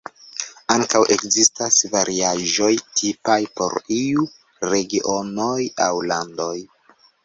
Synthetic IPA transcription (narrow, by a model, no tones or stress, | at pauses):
aŋkawʔe̞kzistasvaɾʔiaʒo̞jtʰipajpo̞̰ɾiu | ɾe̞ɡiʔo̞nojawlando̞j